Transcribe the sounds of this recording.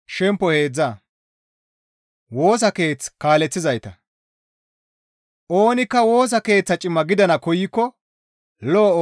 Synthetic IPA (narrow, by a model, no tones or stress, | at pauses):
ʃɛmpːɔhe̞ːd͡zːaː | wo̞ːs̬ɐke̞ːt͡skaːlɛt͡sːɪzɐjt̪ɐ | ʔo̞ːnɪkːɐwo̞ːs̬ɐke̞ːt͡sːɐt͡ʃʼɪmːɐɡɪd̪ɐnɐkɔjɪkːɔ | loː